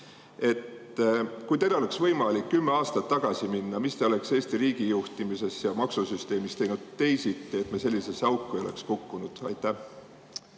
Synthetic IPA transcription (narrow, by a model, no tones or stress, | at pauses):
e̞t̪ | kujt̪ed̪eole̞ksvɤjmɑlikːymːe̞ɑːst̪ɑt̪ːɑɡ̥ɑsiminːɑmist̪eole̞kse̞ːst̪iɾiːɡ̥ijuht̪imise̞sjɑmɑksusyst̪e̞ːmist̪e̞jnud̪̥̚t̪ːe̞jsit̪ːˑeet̪mese̞lʲːise̞sɑuwkːˑujo̞le̞̰kskukːunud̪̥ɑ̰jt̪ːˑæh